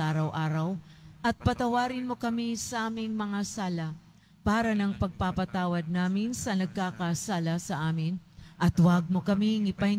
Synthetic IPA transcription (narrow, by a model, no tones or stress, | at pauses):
aːɾɐwʔaːɾɐwʔɐt̪̚pɐt̪ɐwaːɾɪnmo̞kɐmisɐʔaːmɪŋmɐŋasaːlɐ | paːɾɐnɐŋpɐɡ̚papɐt̪aːwɐd̪̚naːmɪnsɐnɐɡ̚kaːkasaːlɐsɐʔaːmɪnʔɐt̪wɐɡ̚mo̞kɐmiŋɪpaj